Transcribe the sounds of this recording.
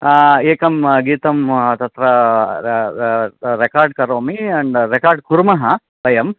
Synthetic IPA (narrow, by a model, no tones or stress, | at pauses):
eːkɐmɡiːt̪ɐmt̪ɐt̪ɾɐ | ɾekaːɾɖ̚kɐɾoːmiɐɳɖɾekaːɾɖ̚kuɾmɐɦɐ | ʋɐjɐm